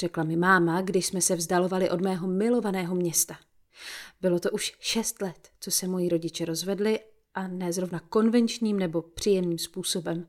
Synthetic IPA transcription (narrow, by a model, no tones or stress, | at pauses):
r̥ɛklamɪmaːmaɡdɪʃsmɛsɛvzdalo̞valɪʔo̞dmɛːɦo̞mɪlo̞vanɛːɦo̞mɲɛst̪a | bɪlo̞t̪o̞ʔuʃʃɛst̪lɛt̪t͡so̞sɛmo̞jiɾo̞ɟɪt͡ʃɛɾo̞zvɛdlɪ | ʔanɛːzɾo̞vnako̞nvɛnt͡ʃɲiːmnɛbo̞pr̥ijɛmniːmspuːso̞bɛm